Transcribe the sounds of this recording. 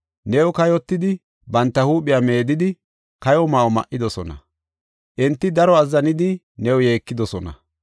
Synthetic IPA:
nɛwʊkɐjɔt̪ːɪd̪ɪ | bɐnt̪ːɐhuːpʼːɪjame̞ːd̪ɪd̪ɪ | kɐjɔmaːwɔmɐ̰ʔːɪd̪ɔsɔnɐ̰ | ʔɪnt̪ːɪd̪ɐɾɔɐzːɐnɪd̪ɪ | nɛwʊje̞ːkːɪd̪ɔsɔnɐ̰

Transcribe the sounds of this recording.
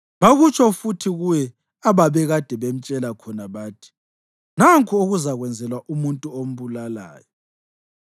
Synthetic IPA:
βaɣut͡ʃʰʼɔfutʰiɣujɛ | aβaβɛɣad̥ʱɛβem̩t͡ʃʼɛlakʰɔnaβaːtʰi̥ | naŋkʰʼuoɣuzaɣwɛnd͡zʱɛlwaʔumuntʼuom̩βulala̰ːjɔ

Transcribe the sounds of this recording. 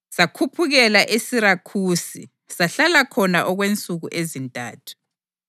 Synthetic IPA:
sakʰupʰuɣɛlaʔesiɾakʰuːsḭ | saɬalakʰɔnaʔɔɣwent͡sʼuɣuʔezintʼa̰ːtʰu̥

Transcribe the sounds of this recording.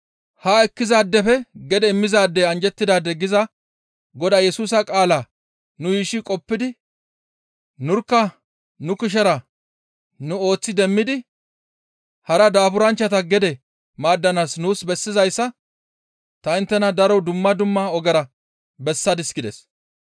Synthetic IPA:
hɐɛkːɪzaːd̪ːɛfɛɡɛd̪ɛɪmːɪzaːd̪ːɛɐnd͡ʒɛt̪ːɪd̪aːd̪ːɛɡɪzɐ | ɡɔd̪ɐːjɛsuːs̬ɐkʼaːlaː | nʊjiːʃɪkʼɔpːɪd̪ɪ | nʊɾkːɐ | nʊkɪʃ̬ɛɾɐ | nʊo̞ːt͡sːɪd̪ɛmːɪd̪ɪ | hɐɾɐd̪aːfʊɾɐnt͡ʃːɐt̪ɐɡɛd̪ɛ | maːd̪ːɐnaːsnuːsbɛsːɪzɐjsːɐ | t̪ɐɪnt̪ːɛnɐd̪ɐɾɔd̪ʊmːɐd̪ʊmːɐɔɡɛɾɐ | bɛsːɐd̪ɪsɡɪd̪ɛ̰s

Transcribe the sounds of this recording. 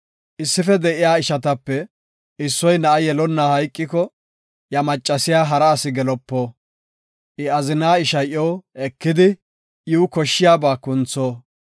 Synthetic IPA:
ʔɪsːɪfɛd̪ɛʔɪjaːɪʃɐt̪ɐpːɛ | ɪsːɔjnɐʔɐjɛlɔnːaːhɐjkʼːɪkɔ | jɐmɐt͡ʃʼːɐsɪjaːɦɐɾɐːsɪɡɛlɔpːoː | ʔɪɐzɪnaːɪʃɐjʔɔːɛkːɪd̪ɪ | juːkɔʃːɪjaːbaːkʊnt͡sːoː

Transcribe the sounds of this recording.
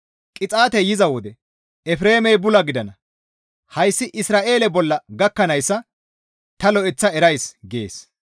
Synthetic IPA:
kʼɪt͡sʼaːt̪ɛjɪzɐwɔd̪ɛ | ɛfɾe̞ːmɛjbʊlɐɡɪd̪ɐnɐ | hɐjsːɪʔɪsɾaːʔe̞ːlɛbɔlːɐɡɐkːɐnɐjsːɐ | t̪ɐlɔʔɛt͡sːɐɛɾɐjsɡḛːs

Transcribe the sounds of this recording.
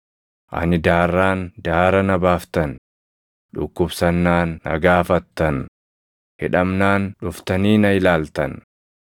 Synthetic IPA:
ʔɐ̰nɪd̪aːrːaːnd̪aːɾɐnɐbaːft̪ɐn | ᶑʊ̰kːʊbsɐnːaːnːɐ̰ɡaːfɐt̪ːɐn | hɪᶑɐmnaːnᶑʊft̪ɐniːnɐɪlaːlt̪ɐn

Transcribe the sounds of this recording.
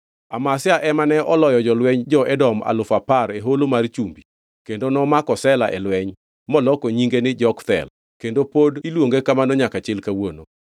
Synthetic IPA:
amasɪaʔɛmanɛʔɔlɔjɔd͡ʒɔlwɛɲd͡ʒɔʔɛdɔma̰lʊfapaɾeɦolomart͡ʃumbi | kendonɔmakɔsɛlaʔɛ̰lwɛɲ | mɔlɔkoɲiŋɡenɪd͡ʒɔkt̪ɛ̰l | kendopodilwoŋɡekamanɔɲakat͡ʃɪlkawono

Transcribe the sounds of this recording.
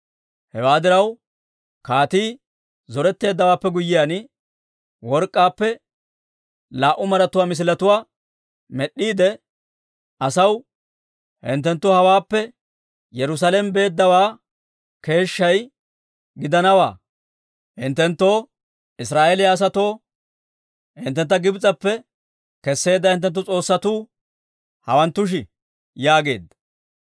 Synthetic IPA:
hɛwaːd̪ɪɾɐw | kaːt̪iː | zɔɾɛt̪ːe̞ːd̪ːɐwaːpːɛɡʊjːɪjaːn | wɔɾkʼːaːpːɛ | laːʔʊmɐɾɐt̪ʊwaːmɪs̬ɪlɐt̪ʊwaː | mɛɗːiːd̪ɛ | ʔɐsɐw | hɪ̰nt̪ːɛnt̪ːoːhɐwaːpːɛ | jɛɾʊs̬aːlɛmbe̞ːd̪ːɐwaː | ke̞ːʃːɐj | ɡɪd̪ɐnɐwa̰ː | hɪnt̪ːɛnt̪ːo̞ː | ɪsɾaːʔɛlɪjaːs̬ɐt̪o̞ː | hɪ̰nt̪ːɛnt̪ːɐɡɪbt͡sʼɐpːɛ | kɛsːe̞ːd̪ːɐhɪnt̪̬ːɛnt̪̬ːʊt͡sʼo̞ːsːɐt̪uː | hɐ̰wɐnt̪ːʊʃ̬ɪ | jaːɡe̞̰ːd̪ːɐ̥

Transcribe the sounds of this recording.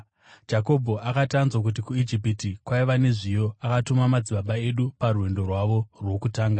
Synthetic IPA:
d͡ʒako̞bʱo̞ʔakatanzwak̬ut̬ikuid͡ʒipitikwaiʋane̞ʐijo̞akatomamad͡ziɓaɓae̞ɗuparuwe̞ndo̞rwaʋo̞rwo̞kutaːŋɡa

